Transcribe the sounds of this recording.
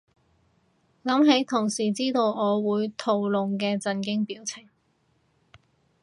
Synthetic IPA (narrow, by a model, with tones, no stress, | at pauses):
lɐ˨˥mɦe˨˥jt̪ʰʊ˨˩ŋsiː˨˩t͡siː˥t̪o˧wɔː˨˧wuː˨˧jt̪ʰo˧wlʊ˨˧ŋkɛː˧t͡sɐ˧nkɪ˥ŋpiː˨˥wt͡sʰɪ˨˩ŋ